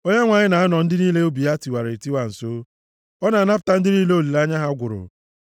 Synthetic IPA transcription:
o˦ɲa˦ŋʷa˨ɲɪ˦na˨a˦nɔ˨n̩˦dɪ˦niː˦le˦o˦bi˨a˦ti˨wa˨ɾe˨ti˦wa˨n̩˨so˦ | ɔ˦na˨na˦pʊ̥˨ta˨n̩˦dɪ˦niː˦le˦o˦˨li˨la˦ɲa˦ɦa˦ɡʷʊ˨ɾʊ̰˨

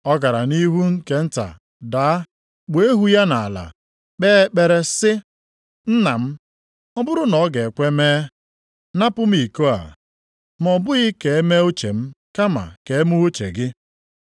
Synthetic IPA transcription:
ɔ˦ɡa˨ɾa˨ni˦ɦu˦ŋ̩˦ke˨n̩˦ta̰˨ | daː˨a˦ | k͡pe˦ɦu˦ja˦na˨la̰˨ | k͡peː˦k͡pe˦ɾe˦sɪ˦ | n̩˦na˨m̩˦ | ɔ˦bʊ˦ɾʊ˦nɔ˨˦ɡe˨kʷe˦meː˦ | na˦pʊ˦m̩˦i˨ko˦a̰˨ | m˨ɔ˨bʊ˦ɣɪ˦ke˨e˦me˦o˦t͡ʃe˨m̩˦ka˦ma̰˨ke˨e˦mu˦o˦t͡ʃḛ˨ɡɪ˦

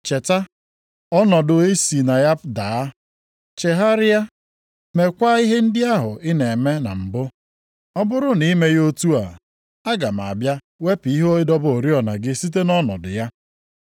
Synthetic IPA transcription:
t͡ʃe˨ta˦ | ɔ˦nɔ˨dʊ˨e˦si˨na˨ja˦daː˨˦ | t͡ʃe˨ɦa˦ɾɪ˦ja˦ | me˨kʷa˦i˦ɦe˦n̩˦dɪ˦a˦ɦʊ˨ɪ˦ne˨me˦na̰˨m̩˨bʊ˦ | ɔ˦bʊ˦ɾʊ˦ni˦me˦jo˦tu˦a̰˨ | a˦ɡa˨m˨a̰˨bja˦ | we˦pi˦ɦo˦ɪ˦dɔ˦bo˨ɾi˦ɔ˨na˨ɡɪ˦si˦t̬e˦nɔ˦nɔ̰˨dʊ̰˨ja˦

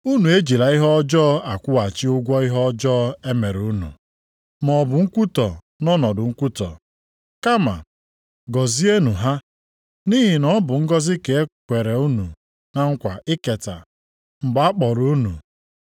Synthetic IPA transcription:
u˦nu˨e˦d͡ʒi˨ɾa˨ɪ˦ɦɔ˦d͡ʒɔː˦a˨kʷʊ˦a˨t͡ʃi˦ʊ˦ɡʷɔ˦i˦ɦɔ˦d͡ʒɔ˦e˦me˨ɾu˨˦nṵ˨ | mɔ˨bʊ˨ŋ̩˦kʷu˦tɔ˨ | nɔ˦nɔ˨dʊ˨ŋ̩˦kʷu˦tɔ̰˨ | ka˦ma̰˨ | ɡɔ˨zi˦e˦nu˨ɦa˦ | ni˦ɦi˨nɔ˦bʊ˨ŋ̩˦ɡɔ˦zɪ˦ke˨e˦kʷe˨ɾe˨u˦nu˨ | na˦ŋ̩˦kʷa˨ɪ˦ke˨ta̰˨ | m̩˨ɡ͡ba˦k͡pɔ˨ɾu˨u˦nṵ˨

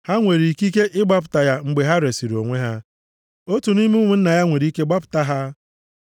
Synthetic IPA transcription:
ha˦ŋʷe˨ɾi˨ki˦ke˦ʔɪ˦ɡ͡ba˦p̬ʊ̥˨ta˨ja˦ŋ͡m̩˦ɡ͡be˨ɦa˦ɾe˨si˨ɾo̰˨ŋʷe˦ɦa˦ | o˦tu˨ni˦m˦ŋʷu˨n̩˦na˨ja˦ŋʷe˨ɾi˦ke˦ɡ͡ba˦pʊ̥˨ta˦ɦa˦

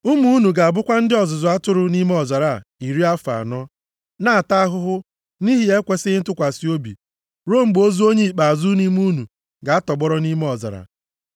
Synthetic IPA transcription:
ʊ˦mu˦u˦nu˨ɡa˨a˨bʊ˦kʷa˦n̩˦dɪ˦ɔ˨zʊ˨zʊ˨a˦tʊ˦ɾʊ˦ni˦me˦ɔ˨za˨ɾa˨i˨ɾi˦a˦fa̰˨nɔ˦ | na˦a˨ta˦a˦ɦʊ˦ɦʊ˦ | ni˦ɦi˦e˦kʷe˦sɪ˦n̩˦tʊ˦kʷa˨si˨˦o˦bḭ˨ | ɾo˦˨m̩˨ɡ͡bo˦zu˦o˦ɲe˦i˨k͡pa˨a˨zu˦ni˦mu˦nu˨ | ɡa˨a˦tɔ˨ɡ͡bɔ˦ɾɔ˦ni˦me˦ɔ˨za̰˨ɾa̰˨

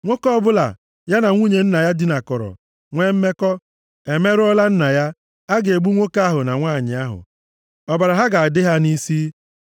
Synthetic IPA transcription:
ŋʷo˦kɔ˦ɔ˦bʊ˦la̰˨ | ja˦na˨ŋʷu˦ɲe˨n̩˦na˨ja˦dɪ˦na˨kɔ˨ɾɔ̰˨ | ŋʷe˦m̩˦me˦kɔ˦ | e˨me˦ɾʊ˦ɔ˦la˦n̩˦na˨ja˦ | a˦ɡe˨ɡ͡bu˦ŋʷo˦ka˦a˦ɦʊ˨na˨ŋʷaː˦˨ɲɪ˨a˦ɦʊ̰˨ | ɔ˨ba˨ɾa˨ɦa˦ɡa˨a˨dɪ˦ɦa˦ni˦si˦

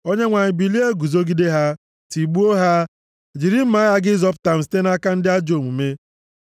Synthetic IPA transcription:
o˦ɲe˦ŋʷa˨ɲɪ˨bi˨li˦e˦ɡu˨zo˦ɡi˦de˦ɦa˦ | ti˨ɡ͡bu˦o˦ɦa˦ | d͡ʒi˨ɾi˦m̩˦ma˨˦ja˦ɡɪ˦zɔ˦p̬ʊ̥˦ta˨m̩˨s̬i̥˦te˦n˦a˦ka˦n̩˦dɪ˦a˦d͡ʒo˨mu˨me˦

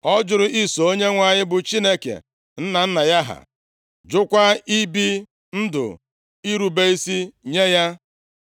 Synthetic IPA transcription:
ɔ˦d͡ʒʊ˨ɾʊ˨i˦so˨o˦ɲe˦ŋʷa˨ɲɪ˦bʊ˨t͡ʃi˦ne˦kḛ˨ | n̩˦na˨n̩˦na˨ja˦ɦa̰˨ | d͡ʒʊ˦kʷa˦i˦bi˦ | n̩˦dʊ̰˨ | i˦ɾu˨be˦i˦si˦ɲe˦ja˦

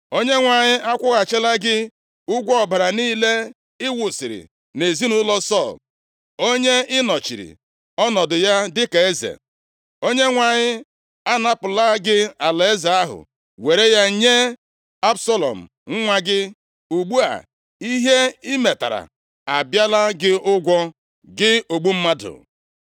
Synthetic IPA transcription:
o˦ɲe˦ŋʷa˨ɲɪ˦a˦kʷʊ˦ɣa˨t͡ʃe˦la˦ɡɪ˦ | ʊ˦ɡʷɔ˨ba˨ɾa˨niː˦le˦ | ɪ˦wʊ˨sɪ˨ɾɪ̰˨ | ne˨zi˦nʊ˦lɔ˦sɔ˦˨l | o˦ɲe˦ɪ˦nɔ˨t͡ʃḭ˨ɾḭ˨ | ɔ˦nɔ˨dʊ˨ja˦dɪ˦ka˨e˦zḛ˨ | o˦ɲe˦ŋʷa˨ɲɪ˦ | a˦na˦pʊ˨la˦ɡɪ˦a˨la˨e˦za˨a˦ɦʊ̰˨ | we˨ɾe˦ja˦ɲe˦ | a˦bsɔ˦lɔ̰˨m̩˨ | ŋ̩˦ŋʷa˦ɡɪ˦ | u˨ɡ͡bu˦a̰˨ | i˦ɦe˦i˦me˨ta̰˨ɾa̰˨ | a˨bja˦la˦ɡɪ˦ʊ˦ɡʷɔ˦ | ɡɪ˦o˨ɡ͡bu˦m̩˦ma˦dʊ̰˨

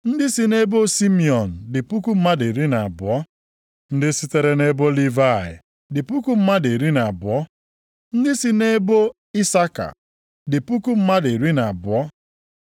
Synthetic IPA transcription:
n̩˦dɪ˦si˨ne˦bo˦si˦mi˦ɔ˨n̩˨dɪ˨pu˦ku˦m̩˦ma˦de˨ɾi˦na˨a˨bʊ˨ɔ˦ | n̩˦dɪ˦si˦te˨ɾe˨ne˦bo˦li˦va˦˨ɪ̰˨ | dɪ˨pu˦ku˦m̩˦ma˦de˨ɾi˦na˨a˨bʊ˨ɔ˦ | n̩˦dɪ˦si˦ne˦bo˦ | i˦sa˦ka̰˨ | dɪ˨pu˦ku˦m̩˦ma˦de˨ɾi˦na˨a˨bʊ˨ɔ˦

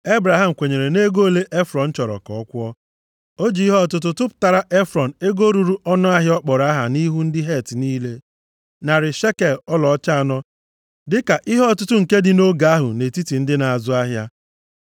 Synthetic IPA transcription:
e˦bɾa˨ɦa˦˨m̩˨kʷe˨ɲe˨ɾe˨ne˦ɡo˦˨le˦ʔe˦fɾɔ˨n̩˦t͡ʃɔ˨ɾɔ̰˨kɔ˨ɔ˦kʷɔ˦ | o˦d͡ʒi˨i˦ɦɔ˦˨tʊ˦t̬ʊ˦tʊ˦pʊ̥˨ta˨ɾa˦ʔe˦fɾɔ˨n̩˨e˦ɡo˦ɾu˨ɾu˦ʔɔ˦nʊ˦a˦ɦɪ˦ɔ˦k͡pɔ˨ɾa˦ɦa̰˨ni˦ɦu˦n̩˦dɪ˦ɦe˦˨tniː˦le˦ | na˨ɾɪ˨ʃe˦ke˨lɔ˦lɔ˨˦t͡ʃa˦a˨nɔ˦ | dɪ˦ka˨ʔi˦ɦɔ˦˨tʊ˦tʊ˦ŋ̩˨ke˦dɪ˨no˦ɡa˨a˦ɦʊ̰˨ne˨ti˦ti˨n̩˦dɪ˦na˨a˨zʊ˦a˦ɦja˦

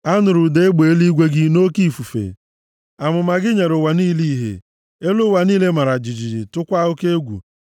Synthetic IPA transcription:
a˦nʊ˨ɾʊ˨de˦e˦ɡ͡be˨e˦li˦ɡʷe˦ɡɪ˦no˦ki˦˨fu˨fḛ˨ | a˨mʊ˨ma˨ɡɪ˦ɲe˨ɾʊ˨wa˨niː˦li˦ɦḛ˨ | e˦lʊ˦wa˨niː˦le˦ma˨ɾa˨d͡ʒɪ˨d͡ʒi˨ɾɪ˨tʊ˦kʷa˦o˦ke˦e˦ɡʷṵ˨

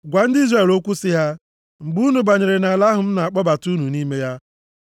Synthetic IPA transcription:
ɡʷa˨n̩˦di˦zre˦˨lo˦kʷu˦sɪ˦ɦa˦ | ŋ͡m̩˨ɡ͡bu˦nu˨ba˨ɲe˨ɾe˨na˨a˨la˦ɦʊ˨m̩˦na˨a˨k͡pɔ˦ba˨tu˦nu˨ni˦me˦ja˦

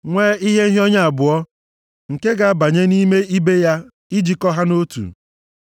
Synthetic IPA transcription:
ŋʷeː˦i˦ɦe˦ɦɔ˦ɲa˦a˨bʊ˨ɔ˦ | ŋ̩˨ke˦ɡa˨a˦ba˨ɲe˦ni˦me˦i˦be˦ja˦ | i˦d͡ʒi˨kɔ˦ɦa˦no˦tṵ˨

